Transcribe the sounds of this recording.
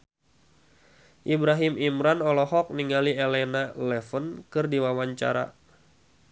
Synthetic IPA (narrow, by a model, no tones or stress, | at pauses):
ʔibɾaɦimimɾanɔlɔhɔk̚niŋaliɛlɛnalɛfənkɨrdiwawaɲt͡ʃa̰ɾa̰